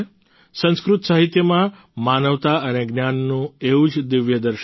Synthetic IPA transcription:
sə̃skɾut̪saɦit̪jəmã | manəʋt̪aəneɡnjanːũeud͡ʒd̪ɪʋjəd̪əɾʃ

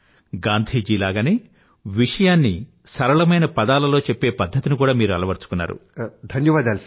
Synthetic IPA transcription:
ɡaːnd̪ʱiːd͡ʒiːlaːɡɐneː | ʋiʂɐjaːnːi | sɐɾɐɭɐmɐjnɐpɐd̪aːlɐlo̞ːt͡ʃepːe̞ːpɐd̪ʱːɐt̪inukuːɽaːmiːɾuɐlɐʋɐɾt͡ʃu̥kunːa̰ːɾṵd̪ʱɐnjɐʋaːd̪aːls

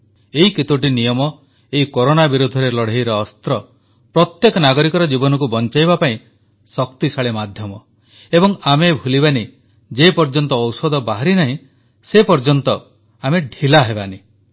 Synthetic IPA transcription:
eɦikit̪uʈ̬inijɔmɔ | eikoɾonabiɾud̪ʱɔɾelɔɽ̤ejɾɔːst̪ɾɔ | pɾɔt̪jekɔnaɡɔɾikɔɾɔd͡ʒibɔnɔk̬ubɔnt͡ʃajbapaĩ | sɔkt̪isaɭemad̪ʱjɔmɔ | ebɔŋamebʱulibani | d͡ʒepɔɾd͡ʒɔnt̪ɔːwsɔd̪ʱɔbaɦaɾinaɦĩ | sepɔɾd͡ʒɔnt̪ɔ | ameɖʱilaɦebani

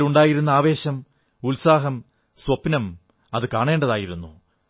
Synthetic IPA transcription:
luɳɖaːjiɾunːɐaːʋe̞ːɕɐm | ulsaːɦɐm | swɐpnɐm | ɐðɨkaːɳe̞ːɳɖɐðaːjiɾunːu

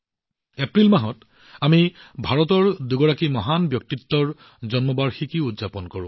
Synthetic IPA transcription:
epɹilmaɦɔt | amibʱaɹɔtɔɹduɡɔɹakimɔɦanbjɔk̚titːɔɹ | zɔnmɔbaɹxikiudzapɔnkɔɹʊ̰̃

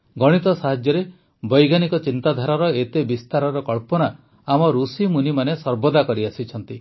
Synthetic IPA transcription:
ɡɔɽ̃it̪ɔsaɦad͡ʒjɔɾe | bɔjɡanikɔt͡ʃint̪ad̪ʱaɾɔɾɔet̪ebist̪aɾɔɾɔkɔɭpɔna | amɔɾusimunimanesɔɾbɔd̪akɔɾiasit͡ʃʰɔnt̪i

